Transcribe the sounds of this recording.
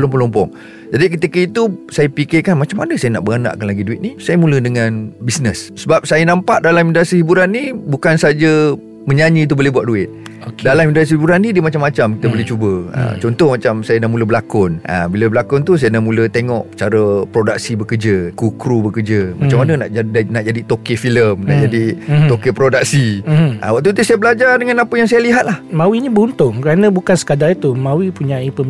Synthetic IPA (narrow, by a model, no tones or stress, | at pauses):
lɔmpɔlɔmpɔŋ | d͡ʒadikət̪ikəit̪usajəpikekanmat͡ʃamːanəsajəna̰ʔbəɡana̰ʔkanlaɡiduɪt̪̚nisajəmulədəŋanbisnəssəbap̚sajənampaʔdalamindasihibuɾanːibukansad͡ʒə | məɲaɲit̪̬ubolɛhbuaʔ̪̚duɪt̪̚dalamindas̬ihibuɾanːidiəmat͡ʃamːat͡ʃamkit̪əbolɪt͡ʃubəə̰t͡ʃɔnt̪ɔhmat͡ʃamsajənamuləbəlakʊnʔə̰biləbəlakʊnt̪us̬ajanaʔmũlət̪eŋɔʔt͡ʃaɾəpɾodak̚sibəkəd͡ʒəkukɾubəkərd͡ʒəmat͡ʃamanənaʔnaʔd͡ʒadit̪okefiləmna̰ʔd͡ʒadiokepɾodak̚siʔə̰waʔ̚t̪ut̪usajabəlad͡ʒardəŋanapəjaŋs̬ajaliɦat̪̚lahmãwiɲibəunt̪ʊŋkəɾanə̃bukansə̥kadait̪umãwipuɲãipə